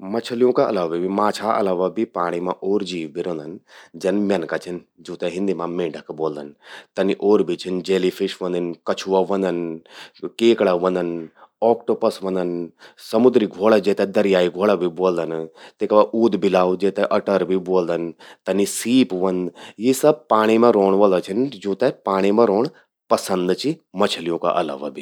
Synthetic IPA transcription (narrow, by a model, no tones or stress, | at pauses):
mɐt͡ʃʰəlijõkaʔɐ̰laːʋibimaːt͡ʃʰaʔɐ̰laːʋabʱipaːɽ̃imãʔoːɾd͡ʒiːʋbʱiɾõnd̪ɐnd͡ʒɐnmjɐnkat͡ʃʰind͡ʒuːt̪ɛɦɪ̃nd̪imãmẽːɖʱəkboːld̪ənt̪ɐniʔoːɾbʱit͡ʃʰind͡ʒeːlipʰɪʃʋɐ̃nd̪ənkɐt͡ʃʰuʋaʋɐ̃nd̪ən | keːkɽaʋɐ̃nd̪ənɔːkʈoːpɐsʋɐ̃nd̪ənsɐmʊd̪ɾiɡʱoːɽad͡ʒeːt̪ɛ̃d̪ɐɾjaːiɡʱoːɽabʱiboːld̪ənt̪ekɐʋaʔuːd̪bʱilaːʋud͡ʒeːt̪ɛ̃ʔɐʈəɾbʱiboːld̪ənt̪ɐnisiːpʋɐnd̪jisɐb̚paːɽ̃imẽɾoːɳʋɐlət͡ʃʰind͡ʒuːt̪epaːɽ̃imẽɾoːɽ | pɐsə̃nd̪t͡ʃimɐt͡ʃʰəlijõka̰ʔɐla̰ːʋa̰bʱi